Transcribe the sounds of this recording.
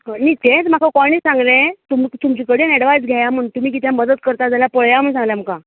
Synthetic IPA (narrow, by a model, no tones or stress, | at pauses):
nit̪ẽt͡sm̤akʰakɔɽ̃iːsãŋɡlẽt̪umt̪umt͡ɕiːkəɽiːnɛɽʋajd͡zɡʱajamənt̪um̤iːk̬it̪ʰjɛ̃mːəd̪ət̪̚kəɾt̪ad͡zaljapəɭjam̤əɳsãŋɡljam̤ka